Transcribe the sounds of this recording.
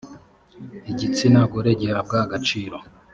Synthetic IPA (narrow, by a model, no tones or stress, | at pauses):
iɟit͡sinaɡoɾeɟeɾab̚ɡaaɡat͡ʃiːɾo̞